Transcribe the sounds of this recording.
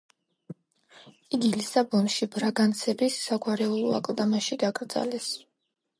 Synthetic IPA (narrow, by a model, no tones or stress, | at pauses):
iɡilisabɔnʃibɾaɡant̪sʰɛbisːaɡwaɾɛulˠɔa̰kʼlˠd̪amaʃid̪aɡʼɾd̪za̰lɛs